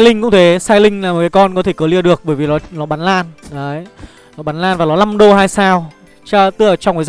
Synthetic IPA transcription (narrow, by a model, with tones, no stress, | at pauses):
lï˧ŋ̟kʊ̰˧˥ŋ͡mt̪ʰe˨˦saː˧jlï˧ŋ̟laː˨˩mo˨˩kaː˨˦kɔ˧nkɔ˨˦t̪ʰe˧˩kəː˨˦li˧əɗɨ˨˩ək̚ɓəː˧˩jvi˨˩lɔ˨˦lɔ˨˦ɓaː˨˦nlaː˧nə˨˦j | lɔː˨˦ɓaː˨˦nlaː˧nvaː˨˩lɔ˨˦na˧mɗo˧ɦaː˧jsaː˧w | t͡ɕaː˧t̪ɨ˧ʔəː˧˩t͡ɕɔ˧wkə˨˦z